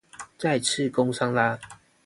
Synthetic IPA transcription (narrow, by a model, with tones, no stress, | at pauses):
t͡sa˥˨ɪt͡s̩ʰ˥˨ko˥˦ŋsa˦ŋla˦